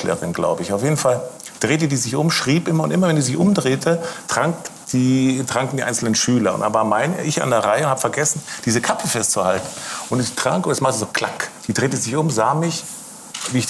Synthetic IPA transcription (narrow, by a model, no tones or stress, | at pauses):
lə̰ʁɪ̰nɡla̰ʊbəɪçaʊfjeːdn̩fal | d̥ʁeːt̬ədiːzɪçʔʊmʃʁ̥iːpʔɪmɐʊntʔɪmɐvɛnçzɪçʔʊmdʁeːtʰətʁ̥aŋkd̥iːtʁ̥aŋkn̩diːʔa̰ɪnsl̩nənʃyːlɐʊ̰ntʔa̰ːbamaɪnə̰ʔɪça̰ndeːɐʁaɪəʊnthabə̥fɛɐɡɛsn̩d̥iːzəkʰapəfɛstt͡suhaltn̩ʔʊntɛçtʁ̥a̰ŋkʔoːdɛsmaχtəzoːkʰl̥akd̥iːd̥ʁeːtəzɪçʔʊmzaːmɪç | viːɪ